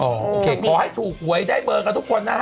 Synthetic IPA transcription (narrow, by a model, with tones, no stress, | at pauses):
ʔɔː˨˩o˧kʰeː˨˧kʰɔː˨˦ha˦˥˩jt̪ʰuː˨˩k̚hu˨˩˦əjdaː˥˩jɓɤː˧kaː˧t̪ʰu˦˥kʰo˧nːa˦˥